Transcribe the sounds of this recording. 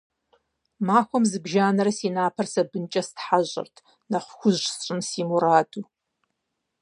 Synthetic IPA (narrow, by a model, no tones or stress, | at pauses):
maːxʷɔmzɨbʒaːnɐɾɐsiːnaːpʰɐrsɐbɨnt͡ʃʼɐstħaʑʼɪ̰rtʰ | nɐχʷxʷʊʑsɕʼɨmsiːmuɾaːdu